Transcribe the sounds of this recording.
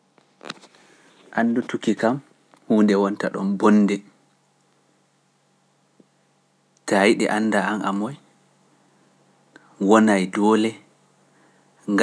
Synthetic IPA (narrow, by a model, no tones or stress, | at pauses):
ʔanːdutukikam | huːndɛwɔntaɗɔnbɔnːdɛ | tajiɗɛ̰ʔanːdaanʔamɔj | wɔnajdɔːlɛ | ŋɡ